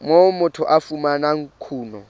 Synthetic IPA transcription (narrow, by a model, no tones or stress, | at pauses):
momʊtʰʊʔafumanaŋ̩kʰuːnɔ